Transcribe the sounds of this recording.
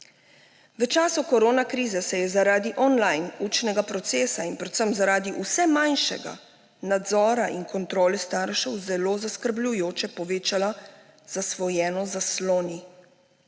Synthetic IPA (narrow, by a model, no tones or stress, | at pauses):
ʋət͡ʃaːsukɔɾoːnakɾiːzɛsɛjɛzaɾaːd̪iʔɔnlajnuːt͡ʃnɛɡapɾɔt̪seːsainpɾɛt̪səmzaɾaːd̪iʔusɛmajnʃɛ̰ɡa̰ | nad̪zɔːɾaʔinkɔnt̪ɾoːlɛst̪aːɾʃɛwzɛloːzaskəɾblʲujoːt͡ʃɛpɔʋeːt͡ʃala | z̥asʋɔjɛːnɔzasloːni